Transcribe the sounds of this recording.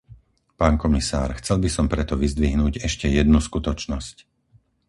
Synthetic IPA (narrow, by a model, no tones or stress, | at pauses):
paːnkɔmisa̰ːɾxt͡sɛlbisɔmpɾɛt̪ɔʋizd̪ʋiɦnuːɟɛʃcɛjɛd̪nuskut̪ɔt͡ʃnɔsc